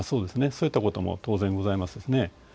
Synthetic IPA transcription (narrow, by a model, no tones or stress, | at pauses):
so̞ːd̪e̞sɨne̞soːit̪ːako̞t̪o̞mo̰t̪o̞ːzẽŋɡo̞zaimasɨd̪e̞sɨne̞